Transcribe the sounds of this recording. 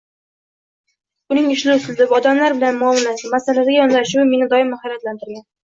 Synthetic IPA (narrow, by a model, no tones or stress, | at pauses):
ʊnɪŋɪʃlɪʊsɪld̪ɪpɒd̪amlaɾbɪlanmʊɒmlasɪmasalad̪ɪɡʲajɒnlaʃʊwme̞nɪd̪ɒɪmahajɾat̪lant̪ɪɾɡʲan